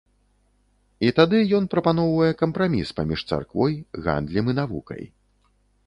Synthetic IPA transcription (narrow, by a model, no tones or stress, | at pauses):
it̪ad̪ɨjɔnpɾɐpanɔwvɐjɛkɐmpɾamʲispamʲiʂt̪sa̰rkvɔjɣa̰nd̪lʲimɨnavṵkɐ̰j